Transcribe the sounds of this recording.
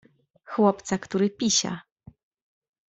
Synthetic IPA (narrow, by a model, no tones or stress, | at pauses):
xwɔpt̪sakt̪uɾɘpʲiɕa̰